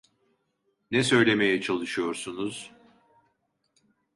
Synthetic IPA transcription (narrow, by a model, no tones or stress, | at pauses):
nɛsø̞jlʲe̞me̞jɛt͡ʃʰalˠɯʃɯjo̞ɾsunuz̥